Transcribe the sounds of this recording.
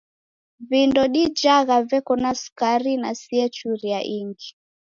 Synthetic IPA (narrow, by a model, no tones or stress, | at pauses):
vindɔɗid͡ʒaɣavɛkɔnasu̥kaɾinasiɛt͡ʃuɾiaʔiŋɡi